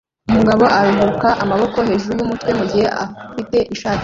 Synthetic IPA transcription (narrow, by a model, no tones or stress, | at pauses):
umuɡaβo̞aɾʒuukaʔamaβo̞ko̞he̞ːʒuɾujumutwe̞muɟihe̞ʔa̰fite̞ʔiʃaːt͡ʃ